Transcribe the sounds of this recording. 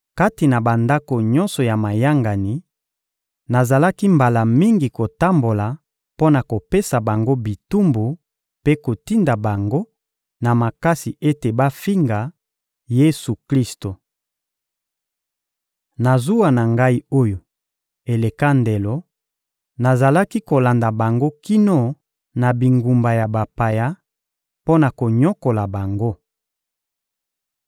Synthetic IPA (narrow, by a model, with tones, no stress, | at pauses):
ka˦ti˨na˨ba˨nda˦ko˨ɲɔ˦nsɔ˨ja˨ma˨ja˦ŋɡa˨ni˨ | na˨za˨la˦ki˦mba˨la˨mi˦ŋɡi˨ko˨ta˦mbo˨la˨ | po˦na˨ko˨pe˦sa˨ba˨ŋɡo˦bi˨tu˦mbu˨ | pe˦ko˨ti˦nda˨ba˨ŋɡo˦ | na˨ma˨ka˦si˨ʔe˦te˨ba˦fi˦ŋɡa˨ | je˦su˨kli˦sto˨ | na˨zu˦wa˨na˨ŋɡa˦i˦o˦jo˨ | e˨le˨ka˦nde˨lo˦ | na˨za˨la˦ki˦ko˨la˨nda˨ba˨ŋɡo˦ki˦nɔ˦ | na˨bi˨ŋɡu˨mba˨ja˨ba˨pa˨ja˦ | po˦na˨ko˨ɲɔ˦ko˨la˨ba˨ŋɡo˦